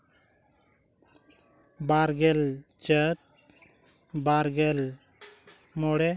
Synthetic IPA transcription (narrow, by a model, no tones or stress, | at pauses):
baɾɡɛl | t͡ʃət̪̚ | baɾɡɛl | mɔɽɛ